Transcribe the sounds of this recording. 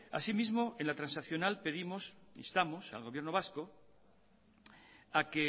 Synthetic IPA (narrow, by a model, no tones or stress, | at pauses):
a̰simizmoenlat̪ɾãnsaθjonalpe̞ðimosḭst̪amo̞sa̰lɣo̞β̞je̞ɾno̞β̞asko | ake